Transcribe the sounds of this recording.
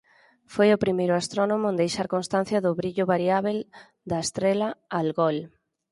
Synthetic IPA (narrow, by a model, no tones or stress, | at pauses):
fojʊpɾimejɾʊast̪ɾonomʊ̃nd̪ejʃaɾkonst̪anθjɐðʊβɾiʎʊβaɾiaβel | d̪ɐest̪ɾelɐalɣɔl